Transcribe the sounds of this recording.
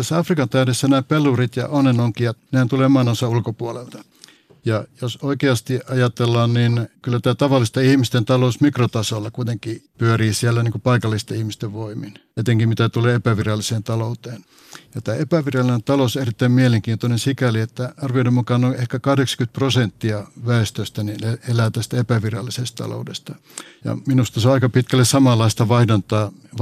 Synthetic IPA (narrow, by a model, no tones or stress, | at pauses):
t̪æsːæɑfrikɑnt̪æydesːænæːpelːurit̪jɑ̰ʔonenoŋkiɑt̪nehænt̪ulemɑːnosɑulkopuolelt̪ɑ | jɑjosoikeɑst̪iʔɑjɑt̪elːɑːnninkylːæt̪æːt̪ɑʋɑlːˑist̪ɑihmist̪ent̪ɑlousmikrot̪ɑsolːɑkuit̪eŋkiːpyøriːsielːæniːŋkupɑikɑlːist̪ɑihmist̪eʋʋoimˑin | et̪eŋkimmit̪æt̪uleːepæʋirɑlːiseːnt̪ɑlout̪eːn | jɑt̪æːepæʋirɑlːinent̪ɑlouserit̪ːæimmieleŋkiːnt̪onensikæliet̪ːæɑrʋioidemukɑnoehkækɑhdeksɑ̥kyt̪̚prosent̪ːiɑʋæˑest̪øst̪ænineelæːt̪æst̪æepæʋirɑlːisestt̪ɑ̰lo̰ˑudḛst̪ɑ | jɑ̰minust̪ɑseoɑikɑpit̪kælːessɑmɑlːɑist̪ɑʋɑihdɑnt̪ɑː